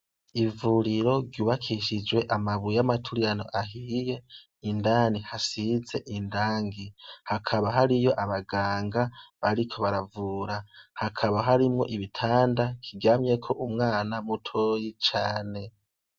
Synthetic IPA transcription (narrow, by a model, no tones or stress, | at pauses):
ivuɾiɾo̞ɡjuːβakʰiʃid͡ʒwe̞ʔamaβujamatʰuɾijano̞̰ʔaɦije̞ | indaːnihasize̞ʔindaːŋɡihakʰaβaɦaɾijo̞ʔaβaɡaːŋɡaβaɾikʰo̞βaɾavuɾahakʰaβaɦaɾimŋo̞̰ʔiβitʰaːndakʰiɡaːmɲe̞kʰo̞ʔumŋaːnamutʰojit͡ʃaːne̞